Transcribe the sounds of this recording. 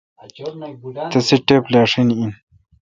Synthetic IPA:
t̪ɐsiʈeplaːʂinin

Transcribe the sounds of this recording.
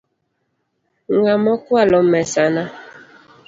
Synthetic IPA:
ŋɡamɔkwalɔmɛsana

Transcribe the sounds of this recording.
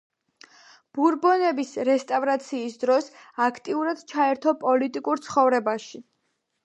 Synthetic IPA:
b̥uɾbɔnɛbisɾɛst̪ʼavɾat̪sʰiːsd̪ɾɔsakʰt̪ʼiuɾad̪̥t͡ʃʰaɛɾt̪ʰɔpʼɔlit̪ʼikʼuɾt̪sʰχɔvɾɛbaʃi

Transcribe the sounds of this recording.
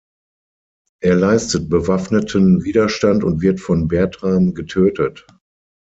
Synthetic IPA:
ʔeːɐlaɪstət̚b̥əvafnətʰənviːdɐʃtantʊntv̥ɪɐtfɔnbɛɐtʁaːmɡətʰøːtət

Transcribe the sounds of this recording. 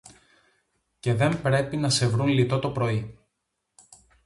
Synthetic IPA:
ce̞ðe̞mbɾe̞pinɐse̞vɾunlit̪o̞t̪o̞pɾo̞i

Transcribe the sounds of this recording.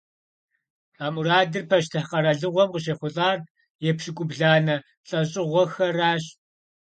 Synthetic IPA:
raːmuraːdɨrpʰɐʃtʰɨqɐɾɐɮɨʁʷɔmqəɕ̬eːχʷʊzʼaːr | jɛpʃɪkʷʼʊbɮaːnɐ | ɬʼɐɕʼɪʁʷɔxɐraːɕ

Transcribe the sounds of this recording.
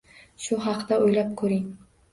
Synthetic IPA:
ʃʊɦɑqt̪aojlap̚kʰɵɾɪŋ

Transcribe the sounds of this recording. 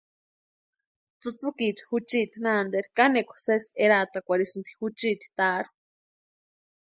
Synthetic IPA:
t͡sɨt͡sɨkit͡ʃi̥hut͡ʃiːt̪inand̪eɾkanekʷʰseseɾat̪akʷaɾisɨnt̪ʰi̥hut͡ʃiːt̪i̥t̪aːɾu̥

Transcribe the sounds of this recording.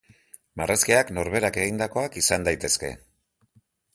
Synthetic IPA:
maraskeakno̞ɾβe̞ɾake̞ɣ̞ind̪ako̞akisand̪ajt̪e̞ske̞̰

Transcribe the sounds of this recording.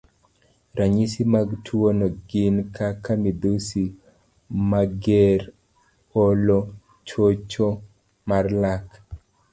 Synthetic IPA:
ɾaɲisimaɡtʰwonɔɡɪnkʰakamid̪usi | maɡeɾ | olo | t͡ʃot͡ʃo | marlak

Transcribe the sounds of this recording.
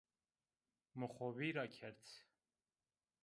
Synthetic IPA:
məχɔviɾɑkʰɛɾt͡sʰ

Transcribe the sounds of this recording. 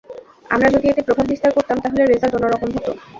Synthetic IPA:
a̰mɾad͡ʑod̪iet̪epɾobʱab̚bist̪aɾkoɾt̪amt̪aɦoleɾezald͡ʑɔnoɾɔkomɦɔt̪o

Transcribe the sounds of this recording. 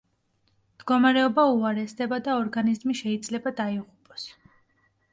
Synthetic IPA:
md̪̥ɡɔmaɾɛɔbauaɾɛsd̪ɛbad̪aɔɾɡanizmiʃɛid̪zlɛbad̪aiʁupʼɔ̥s

